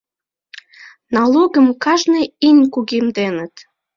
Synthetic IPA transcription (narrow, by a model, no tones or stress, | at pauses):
nɑloɣəmkɑʒneinʲkuɣimd̪enət̪